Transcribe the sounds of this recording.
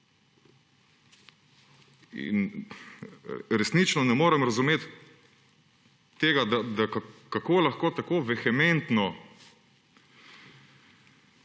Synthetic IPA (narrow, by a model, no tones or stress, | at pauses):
ḭn | ɾɛsnit͡ʃnɔnɛmoːɾɛmɾɐzumeːt̪ | eːɡad̪ad̪akakakoːlaxkoːt̪akoːʋɛxɛment̪nɔ